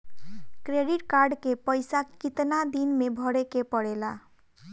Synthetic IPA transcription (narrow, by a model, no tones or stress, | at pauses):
kɾeɖiʈkaɾɖkepəjsakit̪nad̪inmebʱʌɽekepʌɽela